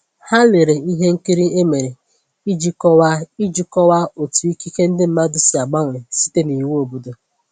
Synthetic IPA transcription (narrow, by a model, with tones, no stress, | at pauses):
ha˦lɪ˨ɾe˨i˦ɦe˦ŋ̩˦ki˦ɾi˦e˦me˨ɾe˨ | i˦d͡ʒi˦kɔ˦wa˦i˦d͡ʒi˦kɔ˦wa˦o˨tu˨i˦ki˦ke˦n̩˦dɪ˦m̩˦ma˦dʊ˨sɪ˨a˨ɡ͡ba˦ŋʷɪ˨si̥˦te˦ni˨wo˨bu˨do˨